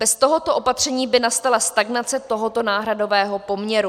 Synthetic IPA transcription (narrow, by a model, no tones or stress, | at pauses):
b̥ɛst̪o̞ɦo̞t̪o̞ʔopat̪r̝̥ɛɲiːbɪnast̪alast̪aɡnat͡sɛt̪oɦo̞t̪o̞naːɦɾado̞vɛːɦo̞po̞mɲɛɾu